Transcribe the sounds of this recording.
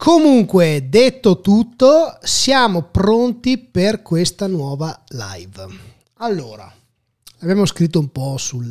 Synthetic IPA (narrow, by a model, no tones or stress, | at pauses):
kʰomuŋkwed̪et̪ːot̪ut̪ːosjaːmopɾont̪iperkwest̪anwɔːvala̰jv | alːoːɾa̰ | abjaːmoskɾit̪̬ːoumpɔsul